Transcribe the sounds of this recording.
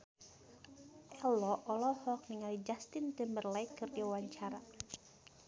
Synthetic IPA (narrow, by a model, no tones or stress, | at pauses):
ʔɛlɔʔɔlɔhɔk̚niŋalid͡ʒast̪ɪnt̪ɛmbərlaikːɨrdiwawaɲt͡ʃaɾa